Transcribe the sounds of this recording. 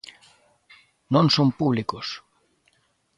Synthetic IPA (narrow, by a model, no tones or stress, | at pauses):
nõnsompuβlikos